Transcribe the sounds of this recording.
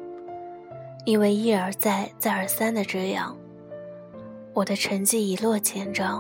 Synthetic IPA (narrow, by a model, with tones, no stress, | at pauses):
i˥˧we˥˧ɪi˥˩ə˞˨˧˥t͡sa˥˧ɪt͡sa˥˩ɪə˞˨˩sa˥nd̪ə˨ʈ͡ʂɤ˥˧jɑ̰˥˩ŋ | wɔ˨˩d̪ə˦ʈ͡ʂʰə˧˥ŋt͡ɕi˥˩i˨˩lwɔ˥˩t͡ɕʰjɛ˥nʈ͡ʂɑ˥ŋ